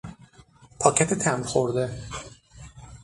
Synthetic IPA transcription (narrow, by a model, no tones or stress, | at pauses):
pʰɒːcʰæt̪ʰet̪ʰæmɾxoɾd̪e̞